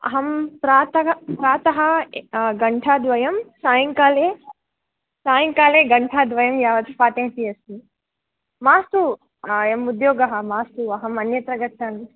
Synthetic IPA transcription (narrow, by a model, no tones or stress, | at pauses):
ɐ̰ɦɐmpɾaːt̪ɐɦpɾaːt̪ɐɦɐ̆ɡɐɳʈʰaːd̪ʋɐjɐmsaːjɐŋkaːleː | saːjɐŋkaːleːɡɐɳʈʰaːd̪ʋɐjɐmjaːʋɐt̪paːt̪ẽɦt̪iɐst̪i | maːst̪u | emud̪joːɡɐɦɐ̆maːst̪uɐɦɐmɐnjɐt̪ɾɐɡɐʈʰːɐn